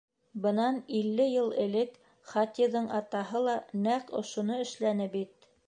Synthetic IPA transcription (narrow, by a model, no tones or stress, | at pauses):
bɤ̆nɑnilːɘjɤlˠɘ̆lɘk | χɑt̪iðɤɴɑt̪ɑɦɤlˠɑnæqŏ̰ʃŏnoɘ̆ʃlænɘbit̪̚